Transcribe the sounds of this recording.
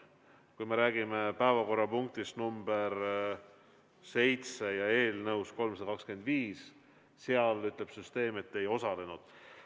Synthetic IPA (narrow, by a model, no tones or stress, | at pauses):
kujme̞ɾæːɡime̞pæevɑko̞rːɑpuŋk̚t̪ist̪numb̥eɾ | se̞jt̪sejɑe̞ːlnɤwsko̞lmsɑd̪ɑkɑkske̞nd̪viːs | seɑlyt̪ˑle̞b̥syst̪e̞ːme̞t̪ːe̞jo̞sɑle̞nud̪̥